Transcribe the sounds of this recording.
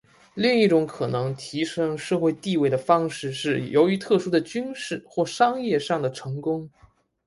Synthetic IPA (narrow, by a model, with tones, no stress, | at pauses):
li˥˧ŋi˥˩ʈ͡ʂʊ˧˥ŋkʰɤ˨˩nɤ˧˥ŋt̪ʰi˧˥ʂɤ˥ŋʂɤ˥˧xwe˥˧ɪt̪i˥˧we˥˩ɪd̪ə˩fɑ˥ŋʂɻ̩˥˧ʂɻ̩˥˩jo˧˥ʊy˧˥t̪ʰɤ˥˩ʂu˥d̪ə˨t͡ɕy˥nʂɻ̩˥˩xwɔ˥˩ʂɑ˥ŋjɛ˥˧ʂɑ˥˩ŋd̪ə˩ʈ͡ʂʰɤ˧˥ŋkʊ˥ŋ